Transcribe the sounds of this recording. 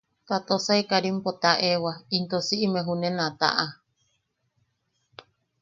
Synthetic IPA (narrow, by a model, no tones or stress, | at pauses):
t̪at̪osaikaɾimpot̪aʔewaint̪osiʔimeɦunenat̪a̰ʔa